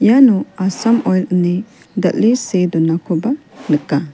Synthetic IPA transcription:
ijanɔasamɔjlni | d̪aʔlised̪ɔnakʰɔba | nəka

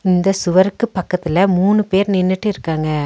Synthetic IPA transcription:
ɪnd̪ɐsʊʋɐɾɯkːɯpːɐkːɐt̪ːɪlɐmuːɳɯpeːɾnɪnːɯʈːɯɪɾɯkːaːŋɡɐ

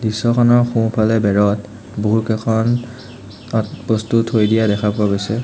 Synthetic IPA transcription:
disɔkʰɔnɔɹxũpʰalɛbɛɹɔt | boɦukɛkʰɔn | b̥ostuthojdijadɛkʰapuaɡojsɛ

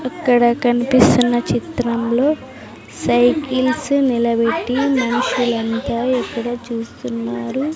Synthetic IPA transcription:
ɐkːɐɽɐkɐnipist̪unːɐt͡ʃit̪ɾɐmlo̞ː | sɐjkilsnilɐbeʈːimɐnɐʃulɐnt̪aːɛkːɐɽɐt͡ʃuːst̪unːaːɾu

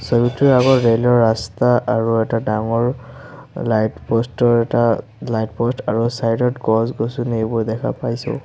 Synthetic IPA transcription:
sɔjutʰiaɡɔtɹelɔɹːastaʔaɹuɛtadaŋɔɹ | lajtpɔstɔɹɛta | lajtpɔstaɹusajdɔtkɔzɡosunejbɔjdɛkʰa̰pajsɔ̰

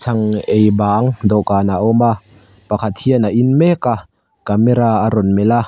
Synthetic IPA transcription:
t͡sʰɐŋejbaːŋd̪ɔkaːnaʔɔma | pɐkʰat̪̚hiənaʔinmɛka | kamɛɾaaɾɔnmɛla

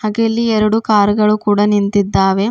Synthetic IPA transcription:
haːɡelːiɛɾɐɽukaːɾɡɐɭukuːɽɐnint̪id̪ːaːʋe̞

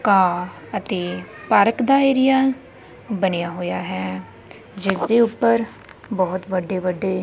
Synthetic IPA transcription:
kaː | ət̪eːpəɾkd̪aːeːɾɪjaː | bənejaːɦoːjaːɦɛː | d͡ʒɪsd̪eːʊpːəɾ | bɔːt̪ʋəɖeːʋəɖːeː

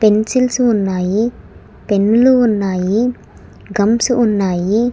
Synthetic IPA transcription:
pensilsuunːaːji | penːuluunːaːji | ɡɐmsuunːaːji

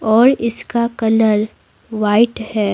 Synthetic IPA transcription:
ɔːɾɪskakɐləɾ | ʋaːɪʈhɛː

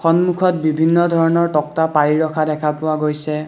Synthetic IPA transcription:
xɔnmukʰɔt̚bibʱinːɔdʱɔɹɔnɔɹtɔk̚tapaɹiɹɔkʰadɛkʰapʊwaɡojsɛ

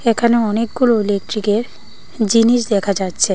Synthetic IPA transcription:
ekʰaneɔnek̚ɡuloelek̚ʈɾikeɾ | d͡ʑiniʃ̬d̪ɛkʰad͡ʑatːɕʰe

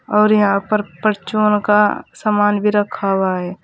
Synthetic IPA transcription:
ɔːɾjɐɦãpəɾpəɾt͡ʃoːnkasaːmaːnbʱiɾəkʰawaɦɛː

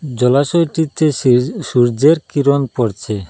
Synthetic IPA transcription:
d͡ʑɔlaʃojʈit̪eʃuɾd͡ʑeɾkiɾonpoɾt͡ɕʰe

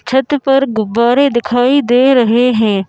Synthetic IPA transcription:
t͡ʃʰət̪pɐɾɡʊbːaːɾed̪ɪkʰaːid̪eːɾɐɦeɦɛ̃ː

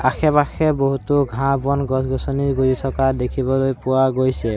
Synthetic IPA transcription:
axʰɛbaxɛboɦutʊɡʱãbɔnɡɔsɡɔsɔniɹɡoɹitʰɔkadekʰibɔlojpʊwaɡojsɛ

